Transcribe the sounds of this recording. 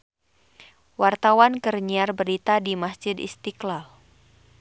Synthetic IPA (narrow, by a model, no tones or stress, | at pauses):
wart̪awankərɲiarbəɾit̪adimasd͡ʒɪd̪ḭst̪iklal